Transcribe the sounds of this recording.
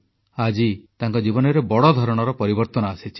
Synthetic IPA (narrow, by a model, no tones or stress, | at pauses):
ad͡ʒit̪aŋkɔd͡ʒibɔnɔɾebɔɽɔd̪ʱɔɾɔɽ̃ɔɾɔpɔɾibɔɾt̪ɔnɔasit͡ʃʰi̥